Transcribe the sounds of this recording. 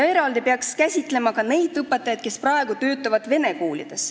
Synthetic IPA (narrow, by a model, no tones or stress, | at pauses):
jɑe̞ɾɑld̪ipeɑkskæsʲit̪ːˑle̞mɑkɑne̞jd̪ɯpːˑet̪ːˑɑjɑd̪̥̚ke̞sprɑe̞ɡ̥ut̪ø̞ːt̪ːˑɑvɑd̪̥ve̞ne̞kuːlḭd̪̥e̞s